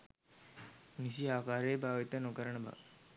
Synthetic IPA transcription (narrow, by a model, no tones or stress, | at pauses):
nisiaːkaːɾeːbʱaːʋit̪ənokəɾəɳəbʱa̰